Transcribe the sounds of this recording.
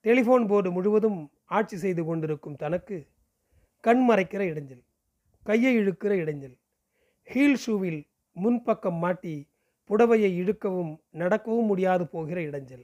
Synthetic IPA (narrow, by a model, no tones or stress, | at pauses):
t̪ɛlɪfoːnboːɽɯmʊɻɯʋɐðɯm | aːʈ̚t͡ʃisɛjðɯkɔɳɖɪɾɯkːɯmt̪ɐnɐkːɯ | kɐɳmɐrɐɪkːɪrɐɪɽɐɲd͡ʒɐl | kɐjːɐɪɛɻɯkːɪrɐɪɽɐɲd͡ʒɐl | hiːlsuːʋɪl | mʊnpɐkːɐmːaːʈːi | pʊɽɐʋɐjɐɪɛɻɯkːɐʋɯmnɐɽɐkːɐʋɯmːʊɽɪjaːðɯpoːɣɪrɐɪɽɐɲd͡ʒɐl